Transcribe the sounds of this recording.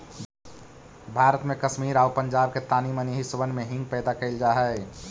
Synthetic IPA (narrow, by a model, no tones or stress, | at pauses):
bʱaːɾət̪mekəʃmiːɾaːʊpəɲd͡ʒaːbket̪aːniməniɦisəbənmẽɦɪ̃ŋɡpɛːd̪akəɪld͡ʒaːɦɛɪ